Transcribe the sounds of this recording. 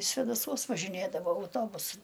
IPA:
sʲʋʲɛdɐˈsuɔs ʋɐʒʲɪˈnʲeːdɐʋoː ɐʊˈtoːbʊsɐɪ

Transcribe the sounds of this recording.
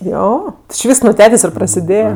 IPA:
ˈjoː tʲɪ t͡ʃʲɪ ˈʋʲiːsks nʊ ˈtʲæːtʲeːsʲ ɪ prɐsʲɪˈdʲeːjɛ

